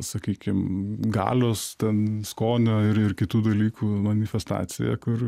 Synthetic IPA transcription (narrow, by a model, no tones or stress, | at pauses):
sɐkʲiːkʲɪmɡɑ̰ːlʲoːst̪ʲɛnskoːnʲoːɪɾɪɾkʲɪt̪uːd̪ɐlʲiːkʰuːmɐnʲɪfʲɛst̪ɑ̰ːt̪sʲɪ̰jɛ̰kʊr